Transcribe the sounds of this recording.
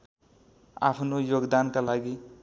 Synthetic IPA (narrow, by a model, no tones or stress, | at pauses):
a̰pʰnojoɡd̪ankalaɡi